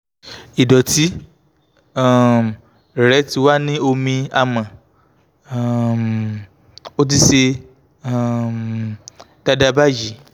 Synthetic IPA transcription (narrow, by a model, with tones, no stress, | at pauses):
i˨dɔ˨ti˨˦ | a˦˨ | ɾɛ˨˦ti˨˧wa˦nĩ˦o˧mĩ˧a˧mã˨ | o˦t̬i˧ʃe˧˦˨ | d̥a˦da˦ba˦ji˨˦